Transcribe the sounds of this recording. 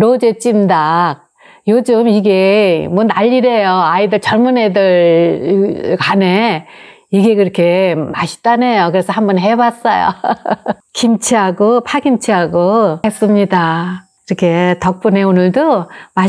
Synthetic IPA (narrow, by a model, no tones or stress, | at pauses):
ɾod͡ʑet͡ɕ͈imdak̚ | jod͡ʑɯmiɡe̞mwʌnaʎːiɾe̞joaidɯɭt͡ɕʌɭmune̞dɯɭ | kane | iɡe̞kɯɾʌkʰe̞maɕʰi̥t͈anejokɯɾe̞sʰʌhambʌnɦe̞bas͈ʌjo̰ | kimt͡ɕʰiɦaɡopʰaɡimt͡ɕʰiɦaɡohe̞s͈ɯmɲidakiɾʌkʰe̞tʌk̚p͈une̞onɯɭdoma